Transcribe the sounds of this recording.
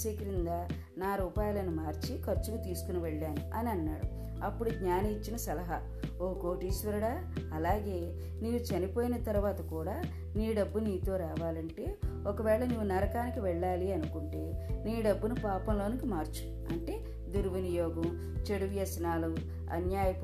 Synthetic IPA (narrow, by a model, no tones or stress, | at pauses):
ʃeːkɾind̪a | naːɾuːpaːjɐlɐnumaːɾt͡ʃikɐɾt͡ʃːuɡɐt̪iːsu̥kuniʋɛɭːaːnuɐniɐnːaːɽu | ɐpːuɽuɡɲaːniːt͡ʃːinɐsɐlɐɦɐ | okoːʈiːsʋɐɾɐɽaː | ɐlaːɡe̞ː | niːʋut͡ʃɐnipo̞ːjinɐt̪ɐɾuʋaːt̪ɐkuːɽaː | niːɖɐbːuniːt̪o̞ːɾaːʋaːlɐɳʈe̞ːɔkɐʋɛːɭɐnuʋːunɐɾɐkaːnikiʋɛɭːaːliɐnukuɳʈe̞ː | niːɖɐbːunupaːpɐmlo̞ːnikimaːɾt͡ʃu̥ | ɐ̰ɳʈe̞ː | d̪uɾʋɐnijɔːɡɐm | t͡ʃeɽuʋjɐsnaːlu | ɐ̰njaːjɐ